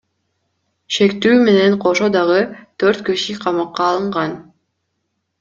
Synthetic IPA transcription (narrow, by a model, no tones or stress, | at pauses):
ʃe̞kt̪yːme̞ne̞ɴqʰo̞ʃod̪ɑʁɯt̪ʰøɾt̪kiʃiqʰɑmɑqːɑːlˠɯɴʁɑn